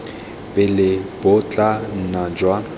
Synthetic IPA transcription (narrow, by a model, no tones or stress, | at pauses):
pʼɪlɪb̥ʊt͡ɬʼan̩nad͡ʒwa